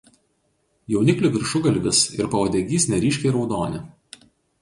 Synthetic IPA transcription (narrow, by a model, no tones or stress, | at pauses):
jɛʊnʲɪklʲʊːˑʋʲɪɾʃʊɡɐlʲʋʲɪsɪɾpɐʋɐd̪ʲeːɡʲiːsʲnʲɛɾʲiːʃʲkʲɛɪɾɒʊd̪oːnʲɪ